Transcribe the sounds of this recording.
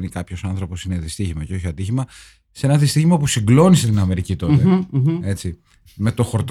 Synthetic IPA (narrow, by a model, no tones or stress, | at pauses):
nikɐpço̞sɐnθɾo̞posineðist̪içimɐceo̞çiɐd̪içimɐ | see̞nɐðist̪içimɐpusiŋɡlo̞niset̪inɐme̞ɾicit̪o̞t̪ee̞t͡si | me̞t̪o̞xo̞ɾt̪